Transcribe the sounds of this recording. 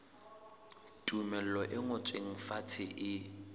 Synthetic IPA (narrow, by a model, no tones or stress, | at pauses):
tʼumɛl̩lɔʔɪŋʊt͡sʼweŋ̩fatʰɪʔɪ